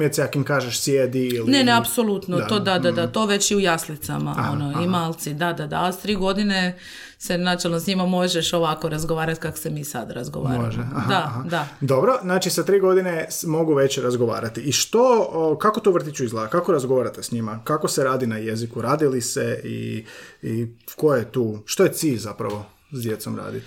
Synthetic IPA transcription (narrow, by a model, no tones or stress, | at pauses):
jet̪siakimkaːʒeʃsjed̪iilneneapso̞lut̪not̪od̪ad̪ad̪at̪o̞ʋe̞t͡ɕiujaslit̪sa̰ma̰ono̞imaːlˠt̪sid̪ad̪ad̪a̰ːst̪ɾiːɡo̞d̪ine̞ | se̞nat͡ʃelnosɲimamo̞ʒeʃoʋako̞ɾazɡo̞ʋaːɾat̪kako̥semiːsa̰d̪ɾazɡoʋa̰ːɾ̰ʒd̪aɦ̪ad̪obɾo̞naːt͡ʃisat̪ɾiːɡo̞d̪ine̞mo̞ɡuʋe̞t͡ɕeɾazɡo̞ʋa̰ːɾat̪iːʃt̪o̞kako̞t̪uːʋr̩t̪it͡ʃuizlˠakakoɾazɡoʋaɾat̪esɲimakako̞seɾaːd̪inaje̞zikuɾaːd̪iliseḭikojet̪uːʃt̪oje̞t̪siːʎzapɾaʋo̞ | zd̪je̞t̪somɾa̰ːd̪it̪